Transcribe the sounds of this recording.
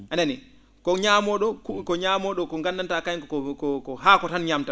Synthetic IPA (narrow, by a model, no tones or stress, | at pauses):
ʔanani | kɔɲamɔɗɔkkɔɲamɔɗɔkɔŋɡanːantakajkɔkɔkɔɦakɔtanɲamta